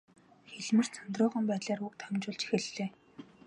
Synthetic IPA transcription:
xeɮmɘ̆r̥t͡sʰant̪rʊːʁə̆mpæːt̪ɮaːruk̚t̪ʰamt͡ɕʊːɮt͡ɕi̥xĕɮːeː

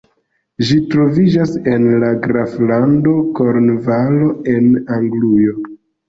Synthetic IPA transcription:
ʒitɾo̞vid͡ʒasenlaɡɾaflando̞ko̞ɾnvaloe̞naŋɡlujo̞

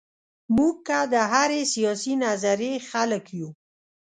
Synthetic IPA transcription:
muɡ̚kːad̪əɦaɾesijɑsinazaɾexaləkju

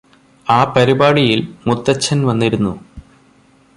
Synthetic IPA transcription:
aːpɐɾibaːɽijilmut̪ːɐt͡ɕʰːɐnʋɐnːiɾunːu

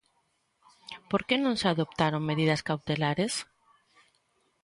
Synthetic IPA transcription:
poɾkenõŋseaðop̚t̪aɾõŋmeðiðɐskawt̪elaɾes

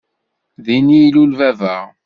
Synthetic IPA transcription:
ðinilulvævæʁ

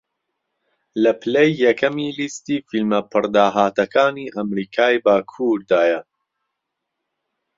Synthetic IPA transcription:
lɐpʰɨlejːɛkʰɐmiːlist̪iːfilmɐpʰɨɾd̪aːɦaːt̪ɐkʰaːniːʔɐmɾiːkʰaːjbaːkʰuːɾd̪aːjɐ

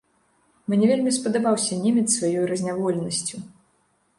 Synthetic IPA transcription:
mʲnʲɛvʲelʲmʲispɐd̪abawsʲɐnʲemʲɛt̪svajɔjuɾɐzʲnʲavɔlʲnɐsʲt͡sʲu

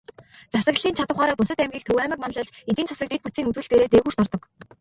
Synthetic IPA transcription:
t͡sasə̆kɬiːnt͡ɕʰat̪ə̆wχaːɾaːpʊsə̆t̪æmɡʲiːk̚t̪ʰɵwæːmə̆k̚man̆ɮɔ̆ɮt͡ɕet̪iːnt͡sʰɔsə̆kt̪et̪put͡siːŋut͡swɘ̆ɮt̪eːɾeːt̪eːɣuːr̥t̪ʰɔrt̪ɞ̆k

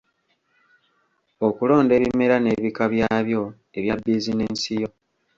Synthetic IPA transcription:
o̞kulo̞ːnde̞ːβime̞ɾane̞βikaβjaːβjo̞ | e̞βjabːiːzineːnsijo̞

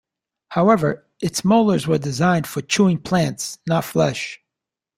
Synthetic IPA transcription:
haʊɛvə˞ | ɨtsmoʊlˠə˞zwə˞dɨzãɪ̃nd̥fə˞t͡ʃʰuɪ̃ŋpʰl̥æ̃ntsnətflɛʃ

